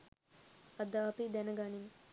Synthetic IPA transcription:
ɐd̪aːpid̪ɛnəɡaniŋ

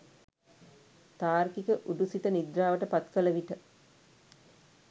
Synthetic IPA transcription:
t̪aːrkikəʔuɖusiʈ̪ənid̪ɾaːʋəʈəpat̪kələʋiʈə

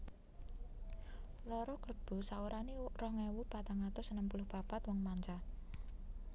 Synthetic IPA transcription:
lɔɾɔkləb̥ṳsauɾʔanirɔhŋɛwupat̪aŋat̪ʊsənəmpulʊhb̥a̤pat̪wɔŋmaɲt͡ʃa

